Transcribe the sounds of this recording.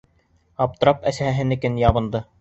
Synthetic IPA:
ɑp̚t̪ɤ̆ɾɑpæsæhæɦɘ̆nɘ̆kɘnjɑβɤ̆nd̪ɤ

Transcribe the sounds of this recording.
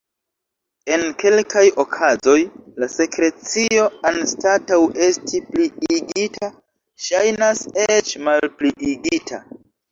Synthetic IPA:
e̞nke̞lkajo̞kʰazo̞jlase̞kɾe̞t͡sio̞anstatawe̞stʰipliiɡitʰa | ʃajnaset͡ʃmalpliiɡitʰa̰

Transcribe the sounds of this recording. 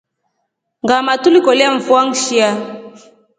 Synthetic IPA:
ŋɡamatulikɔliaɱ̩fuaŋʃia

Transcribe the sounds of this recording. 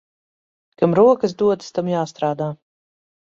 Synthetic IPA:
kamɾuɔkasd̪uɔt̪st̪amjaːst̪ɾaːd̪aː

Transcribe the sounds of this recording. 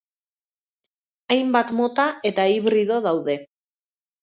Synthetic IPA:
ajmbat̪mo̞t̪ae̞t̪aiβɾiðo̞ð̞awðe̞

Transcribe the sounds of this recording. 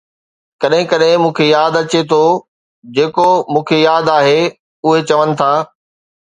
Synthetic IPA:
kɐɗɦɪ̃kɐɗɦɪ̃mũːkʰejaːd̪ɐt͡ɕet̪ʰo | d͡ʑeːkomũːkʰejaːd̪aːɦe | ʊɦet͡ɕɐʋənɪ̆t̪ʰaː

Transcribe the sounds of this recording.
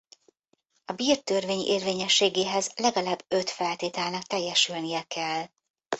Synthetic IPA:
ɒbiːrt̪ørveːɲḛːrveːɲɛʃːeːɡeːɦɛzlɛɡɒlaːbːø̞t̪fɛlt̪eːt̪ɛlnɒk̚t̪ɛjːɛʃylnijɛkɛl

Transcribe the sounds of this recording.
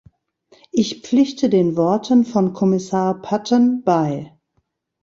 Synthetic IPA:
ʔɪçp͡flɪçtədeːnvɔɐtʰənfɔnkʰɔmɪsaːɐpʰatənb̥aɪ

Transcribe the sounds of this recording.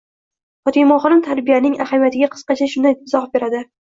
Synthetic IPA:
fɒt̪ʰimɒχɨɾɪmt̪ʰaɾbijanɪŋahamijat̪ʰɪɡʲaqʰɨ̥sqɑt͡ʃʰaʃʊnd̪anɪt̪ʰːɪzɒχbe̞ɾad̪ɪ

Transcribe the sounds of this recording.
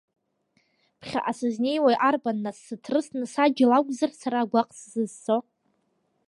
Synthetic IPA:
pʰχʲa̰ʔasɨzne̞jwajʔarbanːasːɨtʰrɨsnɨsad͡ʒɪlakʷʼzarsaɾaɡʷaqʼszɨzt͡so

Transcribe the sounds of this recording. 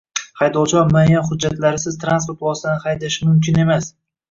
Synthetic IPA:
hajd̪ɒlˠt͡ʃʰɒmajanχʊd͡ʒːat̪laɾɪsɪzt̪ʰɾanspot̪lˠɒsanɪhajd̪aʃɪmʊmkʲʰɪne̞mas

